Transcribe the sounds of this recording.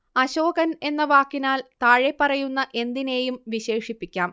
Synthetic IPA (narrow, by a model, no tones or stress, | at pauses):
ɐɕo̞ːkɐne̞nːɐʋaːkːinaːlt̪aːɻepːɐrɐjunːɐʔe̞nd̪ine̞ːjumʋiɕe̞ːʂipːikʲːaːm